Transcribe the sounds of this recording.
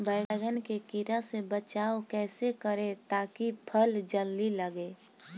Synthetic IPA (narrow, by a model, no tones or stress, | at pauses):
bəːɡɡənkekiɾasebət͡ʃaːokɛːsekəɾet̪aːkipʰəld͡ʒəlːiləɡeː